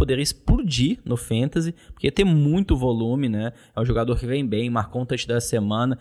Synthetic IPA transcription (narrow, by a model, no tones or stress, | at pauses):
pod̪eɾispʊɾd͡ʒinʊfɐ̃nt̪ɐzɪpoɾket̪ẽmũj̃t̪ʊvolũmɪnɛ | ɛũʒoɡad̪oɾkɪvẽj̃bẽj̃ũmakõt̪ɐt͡ʃɪd̪ɐsemɐ̃nɐ